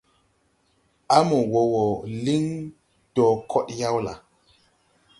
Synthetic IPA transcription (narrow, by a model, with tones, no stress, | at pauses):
a˦mo˨wo˨wo˨li˦ŋ | d̥ɔ˨kʰɔ˦ɗja˦wla̰˨